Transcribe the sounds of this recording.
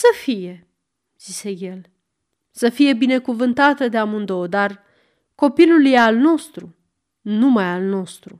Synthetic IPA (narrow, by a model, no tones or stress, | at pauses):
səfije̞ | z̥ise̞je̞l | səfije̞bine̞kuvɨnt̪at̪əd̪eamund̪o̞wd̪ar | ko̞piluljealno̞st̪ɾu | numajalno̞st̪ɾu